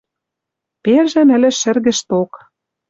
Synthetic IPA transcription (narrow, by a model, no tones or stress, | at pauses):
peʒɘ̆nɘ̆lɘ̆ʃɘ̆rɣɘ̆ʃt̪ok